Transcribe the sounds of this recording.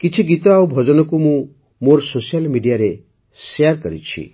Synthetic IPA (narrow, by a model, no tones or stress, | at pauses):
kit͡ʃʰiɡit̪ɔawbʱɔd͡ʒɔnɔkumũ | moɾsosijalmiɖijaɾe | sejaɾkɔɾḭt͡ʃʰḭ